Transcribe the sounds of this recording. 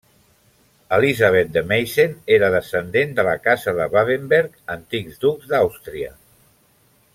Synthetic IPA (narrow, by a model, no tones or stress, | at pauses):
əlizaβ̞et̪̚d̪əmejʃeneɾəðəsənd̪end̪ələkazəðəβaβembeɾkənt̪ikzd̪ukzd̪awst̪ɾiə̰